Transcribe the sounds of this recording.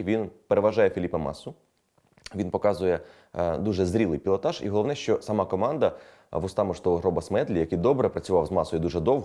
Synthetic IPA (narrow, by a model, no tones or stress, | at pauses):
ʋʲinpeɾeʋɐʒɑjɛfʲilʲipɐmɑ̰sʊ | ʋʲinpɔkɑzʊjɛ | d̪uʒɛzɾʲilˠɪjpʲilˠɔt̪ɑʒḭɦɔlˠɔʋnɛʃt͡ʃɔsɐmɑkɔmɑnd̪ɐ | ʋʊst̪ɑmʊʃt̪ɔʋɔɦɾɔbɐsmɛd̪lʲijɐkɘjd̪ɔbɾɛpɾɐt͡sʲʊʋɑwzmɑsɔjʊd̪uʒɛd̪ɔwɦ